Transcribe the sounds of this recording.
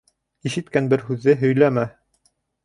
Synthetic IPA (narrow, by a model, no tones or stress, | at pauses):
iʃɘ̆t̪kænbɘɾhʉðɘɦɵ̆jlæmæ